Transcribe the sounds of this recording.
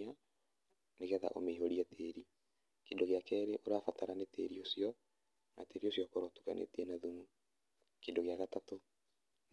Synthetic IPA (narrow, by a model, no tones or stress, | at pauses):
a | neɣɛða̰ʔo̰meɦoɾiateɾi | kendoɣeakɛːɾeʔoɾafataɾanetḛɾiosjɔ | nateɾiosjɔkɔɾɔtu̥ɣa̰nʔḛtiɛnaðumu | kendoɣeaɣatato